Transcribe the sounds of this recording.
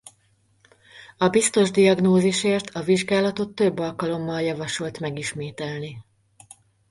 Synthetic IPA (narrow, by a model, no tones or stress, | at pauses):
ɒbist̪o̞ʒd̪iɒɡnoːziʃeːrt̪ʰɒviʒɡaːlɒt̪o̞t̪ːø̞bːɒlkɒlo̞mːɒljɒvɒʃo̞lt̪mɛɡiʃmeːt̪ɛlni